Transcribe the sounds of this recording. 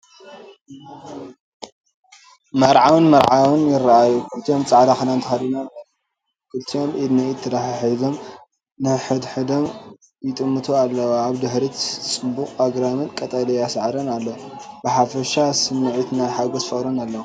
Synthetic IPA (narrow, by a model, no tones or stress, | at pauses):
mɐɾʕawɨnmɐɾʕawɨnjɪɾːaajukʰɨlt̪ʰijo̞mt͡sʼaʕd̪axɨnant̪ʰɨxalːunalːɐ | kʰɨlt̪ʰijo̞mʔid̪niɪt̪ʰːɨd̪aħiħizo̞m | nɨħɨd̪ħɨd̪om | jɪt̪ʼɨmːɨt̪ʰualːɐwaβd̪ɨħɾit͡sʼɨmbukʼaɡɾamɨnkʼɐt̪ʼɐlɐjasʕɾɐnalːowbɨħafɐʃasɨmːɨʕit̪najħaɡozfɐɾunalːɐwu